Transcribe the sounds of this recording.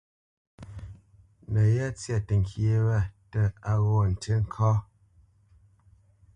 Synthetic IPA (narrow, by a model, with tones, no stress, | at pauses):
nə˨ja˦t͡sja˦˨tə˨ŋ˨kʰje˦wɛ˦˨tə˦˨a˨ɣɔ˦˨n̩˨te˦ŋ̩˦kʰɔ˦